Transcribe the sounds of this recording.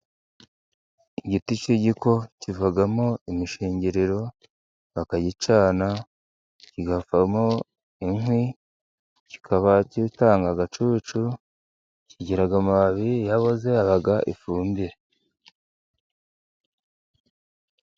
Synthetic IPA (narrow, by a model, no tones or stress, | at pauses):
iɟitit͡ʃiɟiko̞civaɡamoimiʃiːɲɟiɾiɾo̞ | βakaɟit͡ʃaːna | ciɡafamo | iŋwi | ci̥kʰaβacitaːŋɡaɡat͡ʃut͡ʃu | ciɟiɾaɡamaaβijaβoze̞aβaɡaʔḭfuːmbiɾe